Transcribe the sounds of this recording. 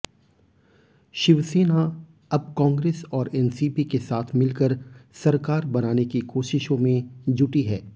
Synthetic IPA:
ʃɪʋseːna | ɐb̚kãːŋɡɾeːsɔːɾɛːnsiːpikesaːt̪ʰmɪlkəɾsɐɾkaːɾbɐnaːnekikoːʃɪʃõmẽd͡ʒʊʈiɦɛː

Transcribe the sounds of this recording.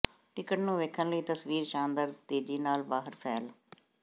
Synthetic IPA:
ʈɪkəʈnũːʋeːkʰːənləiːt̪əsʋiːɾʃãːnd̪əɾt̪eːd͡ʒiːnaːlbaːɦəɾpʰɛːl

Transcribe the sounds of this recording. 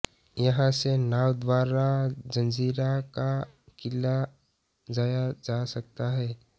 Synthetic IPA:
jɐɦãsenaːwd̪ʋaːɾad͡ʒə̃nd͡ʒiːɾakakɪlːa | d͡ʒaːjad͡ʒasɐk̚t̪aɦɛː

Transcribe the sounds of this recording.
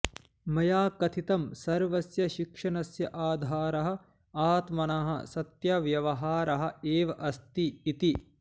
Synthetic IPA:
mɐjaːkɐt̪ʰit̪ɐmsɐɾʋɐsjɐʃikʂɐnɐsjɐʔaːd̪ʱaːɾɐɦɐ̆ | aːt̪mɐɳɐɦɐ̰sɐt̪jɐʋjɐʋɐɦaːɾɐɦɐ̆eːʋɐʔɐst̪iːt̪i

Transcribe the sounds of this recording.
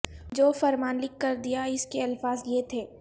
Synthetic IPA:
d͡ʒoːfɐɾmaːnlɪkːɐɾd̪ijaɪskeɐlfaːzjet̪ʰeː

